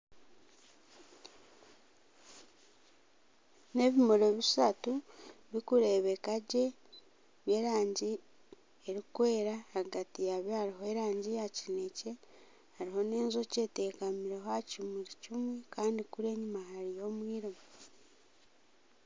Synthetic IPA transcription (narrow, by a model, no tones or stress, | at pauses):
ne̞βimoɾo̞βisatuβikuɾe̞ːβekaɟe̞ | βje̞ːɾaːɲɟi | eɾikwe̞ːɾahaɡatijaβjehaɾihoeɾaːɲɟijacine̞ce̞ | haɾiho̞ne̞ːnzo̞ce̞te̞kamiɾeɦoacimiɾicimwekaːndikuɾe̞ːɲumaɦaɾijo̞ːmwiːɾimo